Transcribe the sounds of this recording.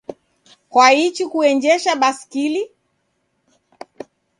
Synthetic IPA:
kwait͡ʃikuɛnd͡ʒɛʃaɓaskili

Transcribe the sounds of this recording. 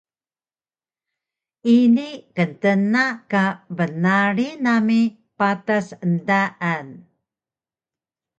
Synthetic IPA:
inikəntənakabənaɾinami | patasəndaʔan

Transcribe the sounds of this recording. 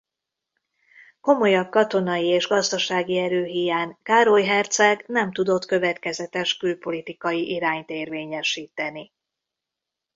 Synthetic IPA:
ko̞mo̞jɒb̚kɒt̪o̞nɒjieːʒɡɒzd̪ɒʃaːɡiɛɾøːɦijaːŋkaːɾo̞jɦɛrt̪sɛɡnɛmt̪ud̪o̞t̪kø̞vɛt̪kɛzɛt̪ɛʃkylpo̞lit̪ikɒjiʔiɾaːɲt̪eːrveːɲɛʃiːt̪ɛni

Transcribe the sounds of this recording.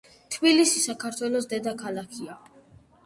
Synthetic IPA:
t̪ʰbilisisakʰaɾt̪ʰwɛlˠɔs̬d̪ɛd̪akʰalˠakʰia

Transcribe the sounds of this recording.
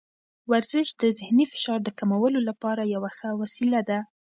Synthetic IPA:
waɾzɪʃd̪əzɪhnifɪ̥ʃɑɾd̪əkamawəlolapɑɾajawaxəwasilad̪a

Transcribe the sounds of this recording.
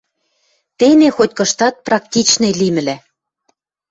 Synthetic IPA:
t̪enexotʲkɤ̆ʃt̪ɑt̪̚prɑk̚t̪ʲit͡ɕnelimɘ̆læ

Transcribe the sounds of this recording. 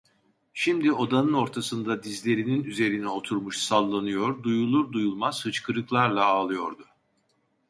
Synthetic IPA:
ʃimd̪io̞d̪anɯno̞ɾt̪ʰasɯnd̪ad̪izlʲe̞ɾininyze̞ɾinɛo̞t̪ʰuɾmuʃsalˠːanɯjo̞ɾd̪ujulˠuɾd̪ujulˠmaz̥hɯt͡ʃkʰɯɾɯklˠaɾlˠaaːlˠɯjo̞ɾd̪ʊ

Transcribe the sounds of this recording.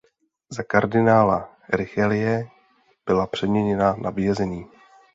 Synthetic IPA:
zakaɾdɪnaːla | ɾɪxɛlɪjɛ | b̥ɪlapr̝̥ɛdmɲɛɲɛnanʔabjɛzɛɲiː

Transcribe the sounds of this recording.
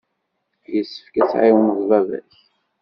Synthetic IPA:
jəsːə̥fkæsʕiwənəðˤvævæ̰s

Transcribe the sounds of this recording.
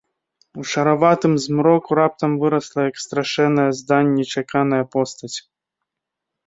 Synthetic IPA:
uʂɐɾavat̪ɨmzmɾɔkuɾap̚t̪ɐmvɨɾɐslˠɐjɐkst̪ɾaʂɛnːɐjɐzd̪anʲːɛt͡ʂakanɐjɐpɔst̪ɐt͡sʲ

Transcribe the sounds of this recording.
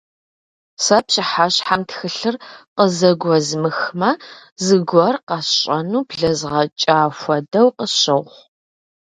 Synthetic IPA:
sɐpɕʼɪħaɕħamtxɨɬɨrqəzɐɡʷɔzmɨxmɐzɨɡʷɔrqɑsɕʼɐnuːbɮɐzʁɐt͡ʃʼaːfʷɐdɐwqəɕɐwχʷ

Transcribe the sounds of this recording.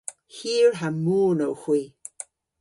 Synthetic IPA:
hiːɹɦamuːnowxwiː

